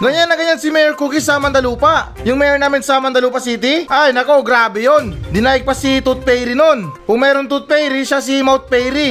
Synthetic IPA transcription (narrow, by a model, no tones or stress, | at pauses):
ɡɐɲanːɐŋɡɐɲansɪmɛjɛɾkuːkɪsɐmɐnd̪ɐluːpɐʔ | jʊŋmɛjɛnaːmɪnsɐmɐnd̪ɐluːpɐsiːt̪̬ɪʔajnɐko̞ɡɾaːbɛjo̞nd̪ɪnaːjɪɡ̚pɐsit̪ut̪̚pɛjɾɪno̞nkʊŋmɛːɾont̪ut̪̚pɛjɾiʃasɪmawt̪̚pɛjɾi